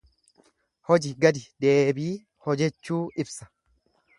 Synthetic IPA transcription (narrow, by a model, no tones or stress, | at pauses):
hɔd͡ʒɪɡɐd̪ɪd̪eːbiː | hɔd͡ʒɛt͡ʃːuːɪbsɐ̥